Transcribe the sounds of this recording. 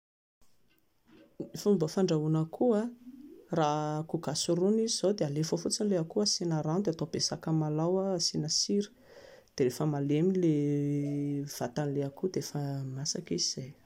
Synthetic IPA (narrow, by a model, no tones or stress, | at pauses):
ifumbafaɳɖ͡ʐaunəkʰua | rakuɡ̥asuɾunizizowd̪ealefofut͡sinileakuasinaɾand̪eat̪ob̥esakəmalawaːsinəsiɾə̥ | d̪̥eɾefəmalemile | v̥at̪anleakud̪eefəmasakiziz̥aj